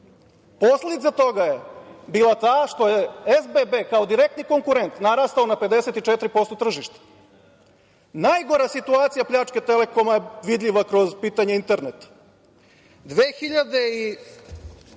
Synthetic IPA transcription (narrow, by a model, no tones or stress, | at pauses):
po̞sled̪it̪sat̪o̞ɡajebiːlˠat̪aːʃt̪o̞jeezbebekaod̪iɾek̚t̪niko̞ŋkuɾent̪naɾaːst̪aonape̞d̪eset̪it͡ʃet̪ɾipo̞st̪ot̪r̩ʒiʃt̪ḁ | najɡo̞ɾasit̪uaːt̪sijapʎaːt͡ʂke̞t̪ele̞ko̞majeʋid̪ʎʲiʋakɾo̞zpiːt̪aɲeint̪eɾnet̪ḁ | d̪ʋeːxiʎad̪e̞i